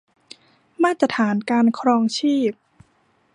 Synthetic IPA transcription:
maː˥˩t̪ːɾa˧˥t̪ʰaː˩˦nkaː˧nkʰɾɔː˧ŋt͡ɕʰiː˥˩p̚

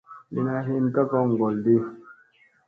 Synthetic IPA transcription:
li˨na˨ɦe˦˨n˦ka˦kɔ˦ŋ̩˨ɡɔ˨ldi˦

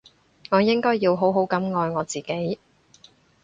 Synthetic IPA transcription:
ŋɔː˨˧jɪ˥ŋkɔː˥jːiː˧wɦo˨˥wɦo˨˥wkɐ˨˥mŋɔː˨˧jŋɔː˨˧t͡siː˨˩ke˨˥j

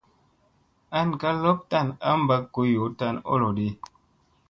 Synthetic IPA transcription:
a˦n˨ka˦lɔ˦p̚ta˦˨na˦m̩˦ba˦kːo˨˦jo˨˦ta˦˨no̰˦lo˨di˦

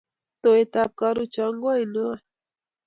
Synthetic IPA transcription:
t̪o˨et̪ap̚kaɾu˦t͡ʃaŋɡo˦jno˦a˦

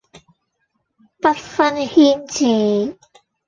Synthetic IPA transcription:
pɐ˥t̚fɐ˥nhiː˥nt͡siː˨˩

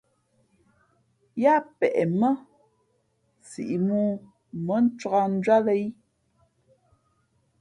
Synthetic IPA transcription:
ja˦pɛ˨ʔɛ˨mə˦ | t͡sḭ˨ʔi˨muː˦ | mə˦n̩˦t͡ʃʁa˦n̩˦d͡ʒa˦ðe˦j

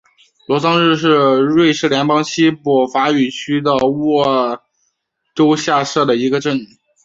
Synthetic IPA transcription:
lwɔ˧˥sɑ˥ŋɻɻ̩˥˧ʂɻ̩˥˧ɻwe˥˧ɪʂʰɻ̩˥˩ljɛ˧˥npɑ˥ŋɕi˥pɔ˨˩fa˧˥y˨˩t͡ɕʰy˥d̪ə˧wɔ˥˩ | ʈ͡ʂo˥ʊɕja˥˧ʂɤ˥˩d̪ə˩i˧˥ɡə˧ʈ͡ʂə˥˩ŋy˨˩˦

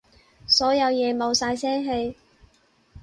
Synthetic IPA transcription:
sɔː˨˥jɐ˨˧wjɛː˨˧mo˨˧wsaː˧jsɛː˥ŋɦe˧j

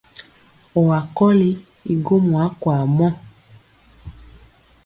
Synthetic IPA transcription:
ɔ˨wa˨kɔ˦li˦ | i˨ɡo˦mu˨a˨˦kwa˨mɔ˦˨

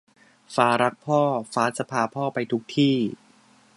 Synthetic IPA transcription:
faː˧˩ɾa˦˥k̚pʰɔː˥˩faː˦˥t̪̚sa˧pʰaː˧pʰɔː˥˩pa˧jt̪ʰu˦˥k̚t̪ʰiː˥˩

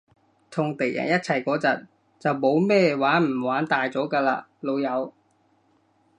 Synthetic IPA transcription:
t̪ʰʊ˨˩ŋt̪e˨˩jʔɐ̰˨˩njɐ˥t̚t͡sʰɐ˨˩jkɔː˨˥t͡sɐ˨t̚ | t͡sɐ˨˩wmo˨˥wmɛː˥waː˨˥nm̩˨˩waː˨˥nt̪aː˨jt͡sɔː˨˥kaː˧laː˧lo˨˧wjɐ˨˧w

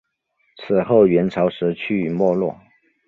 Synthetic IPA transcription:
t͡sʰɹ̩˨˩xo˥˩ʊɥɛ˧˥nʈ͡ʂʰɑ˧˥ʊʂɻ̩˧˥t͡ɕʰy˥˩mwɔ˥˧lwɔ˥˩

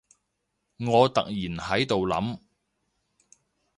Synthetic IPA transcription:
ŋɔː˨˧t̪ɐ̰˨k̚jiː˨˩nhɐ˨˥jt̪o˨wlɐ̰˨˥m

